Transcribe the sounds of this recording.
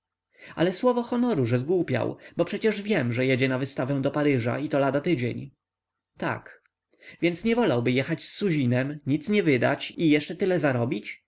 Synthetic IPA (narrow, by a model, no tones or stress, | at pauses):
a̰lɛswɔvɔxɔnɔɾuʐɛzɡwupʲja̰wbɔpʂɛt͡ɕɛʐvʲjɛmʐɛjɛd͡ʑɛnavɘst̪avɛ̃w̃d̪ɔpaɾɘʐa̰it̪ɔlad̪at̪ɘd͡ʑḛɲ | t̪a̰k | vʲjɛnt̪sɲɛvɔlawbɘjɛxat͡ɕsːuʑinɛmɲit̪sɲɛvɘd̪a̰t͡ɕijɛʂt͡ʂɛt̪ɘlɛzaɾɔbʲit͡ɕ